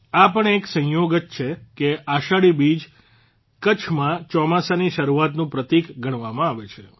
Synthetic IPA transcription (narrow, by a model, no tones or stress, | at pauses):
apəɳeksə̃joɡət̪t͡ʃʰekeaʃaɽibid͡ʒ | kət͡ʃʰmãt͡ʃɔmasaniʃəɾuat̪nũpɾət̪ikɡʱəɳ̃ʋamãaʋet͡ʃʰe